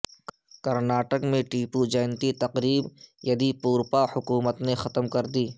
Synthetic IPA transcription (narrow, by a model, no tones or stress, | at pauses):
kɐɾnaːʈəkmẽʈiːpud͡ʒɐɪnt̪it̪ɐqɾiːbjɐd̪ipuːɾpahʊkuːmət̪nexɐt̪əmkɐɾd̪iː